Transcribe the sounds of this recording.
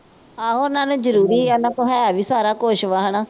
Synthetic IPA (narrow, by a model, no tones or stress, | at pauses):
ãːɦoːnãːnũːd͡ʒəɾuːɾiːɛːnãːkoɦɛːaːʋiːsaːɾaːkoːʃʋaːɦəɳaː